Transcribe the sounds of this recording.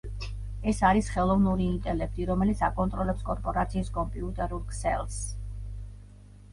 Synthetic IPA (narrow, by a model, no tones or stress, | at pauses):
ɛsaɾisχɛlˠɔvnuɾiːnt̪ʼɛlɛk̚ʰt̪ʼiɾɔmɛlit̪sʰakʼɔnt̪ʼɾɔlɛpskʼɔɾpʼɔɾat̪sʰiːskʼɔmpʼiut̪ʼɛɾulˠkʰʼsɛlˠs